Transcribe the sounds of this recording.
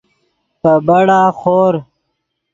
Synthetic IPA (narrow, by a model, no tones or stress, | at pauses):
pəbɐɽaːxoːɾ